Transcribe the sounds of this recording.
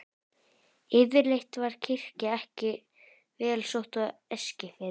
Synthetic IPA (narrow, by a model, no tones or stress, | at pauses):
ɪðɪɾlejht̪vaɾ̥cʰɪr̥cɪɛhcɪ | vɛːlsowht̪aɛscɪfɪ